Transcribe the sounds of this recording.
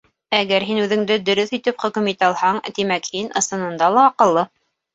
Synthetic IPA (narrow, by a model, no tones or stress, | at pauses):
æɡæɾɦinʉðɘ̆ŋd̪ɘd̪ɵ̆ɾɵθit̪ɘpχɵ̆kɵmit̪ɑlˠhɑɴt̪imækhinɤ̆sɤ̆nɤ̆nd̪ɑlˠɑːqɤ̆lˠːɤ